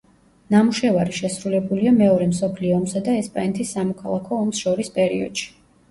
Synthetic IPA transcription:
namuʃɛvaɾiʃɛsɾulɛbuliamɛɔɾɛmsɔpʰliɔːmsad̪aɛspʼanɛt̪ʰisːamɔkʰalˠakʰɔːmsʃɔɾispʼɛɾiɔ̰d̪̥ʃi̥

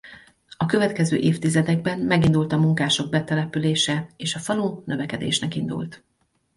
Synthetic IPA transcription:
ɒkø̞vɛt̪kɛzø̰ːʔeːft̪izɛd̪ɛɡ̚bɛnmɛɡind̪ult̪ɒmuŋkaːʃo̞ɡ̚bɛt̪ɛlɛpyleːʃɛeːʃɒfɒlunø̞vɛkɛd̪ḛːʃnɛkind̪ṵlt̪

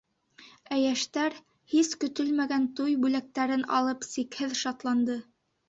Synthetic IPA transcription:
æjæʃt̪æɾ | hiskɵ̆t̪ɵlmæɡænt̪ujbʉlæk̚t̪æɾɘnɑ̰lˠɤpsikhɘðʃɑt̪lˠɑnd̪ɤ

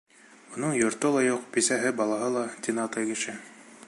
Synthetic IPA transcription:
ŏnɤɴjŏɾt̪ɤlˠɑjuq̚pisæɦɘbɑlˠɑɦɤlˠɑt̪ʲinɑt̪ɑjkɘ̆ʃɘ

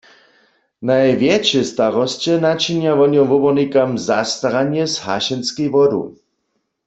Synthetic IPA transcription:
najvjɛt͡ʃɛst̪aʁɔst͡ɕɛnat͡ʃinjavɔnjɔmvɔbɔnikamzast̪aʁanjɛzha̰ʃɛnskijvɔdṵ

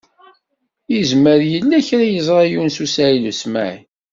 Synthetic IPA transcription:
jizməɾjəlːæçɾajəzˤʁajunsusæilusmæ̰ʕ

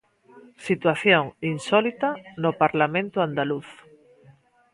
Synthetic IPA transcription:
sit̪waθjoŋinsɔlit̪anopaɾlamẽnt̪oand̪aluθ

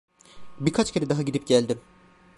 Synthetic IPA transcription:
biɾkʰat͡ʃcʰeɛd̪aɦaɟid̪ip̚ɟælʲd̪im

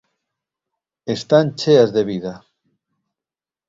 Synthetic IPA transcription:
est̪ant͡ʃeazðe̞βiða

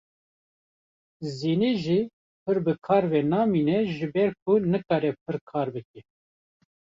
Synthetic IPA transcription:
ziːneːʒi | pʰɨɾbɨkʰɑːɾvɛnɑːmiːnɛʒɨbɛɾk̚ʰʊnɨkɑːɾɛp̚ʰɨɾkʰɑːɾbɨk̚ɛ

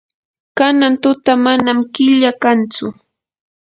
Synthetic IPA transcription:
kanant̪ʊt̪amanamkɪʎakant͡sʊ

